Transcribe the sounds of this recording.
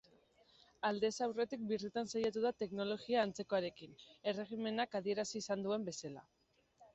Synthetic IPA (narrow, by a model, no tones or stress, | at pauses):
ald̪e̞sawre̞t̪ik̚birit̪ansajat̪̬uðat̪e̞kno̞lo̞ɣiaːnt͡se̞ko̞aɾe̞kine̞re̞ɣime̞nakaðie̞ɾasiːsand̪ue̞mbe̞sala̰